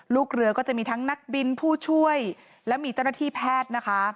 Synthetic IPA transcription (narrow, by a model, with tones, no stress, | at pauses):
luː˥˩k̚ɾɯ˧˩əkɔː˥˩t͡ɕa˨˩miː˧t̪ʰa˦˥ŋna˦˥k̚bi˧npʰuː˥˩t͡ɕʰu˥˩əj | lɛː˦˥wmiː˧t͡ɕa˥˩wna˥˩t̪ʰiː˥˩pʰɛː˥˩t̪̚na˦˥kʰa˦˥